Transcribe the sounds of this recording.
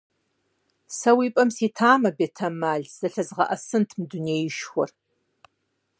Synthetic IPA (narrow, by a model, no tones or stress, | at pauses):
sɐwiːpʼɐmsiːtʰaːmɐbeːtʰɐmaːɮz̥ɐɬɐzʁɐʔɐsɨntʰmduneːjɪʃxʷɔr